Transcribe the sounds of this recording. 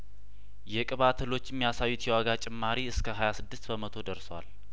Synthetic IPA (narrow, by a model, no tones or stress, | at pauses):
jɛkʼɨβat̪ʰəlo̞t͡ʃːɛmːijasajːut̪jɛwaɡat͡ʃʼɪmːaɾiɨskʰəɦajasɨd̪ːɨst̪bəmət̪ʰo̞d̪əɾswa̰l